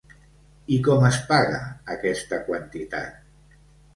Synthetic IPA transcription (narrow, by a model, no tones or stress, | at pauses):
ikɔməspaɣa̰ːkɛst̪akwant̪it̪a̰t̪̚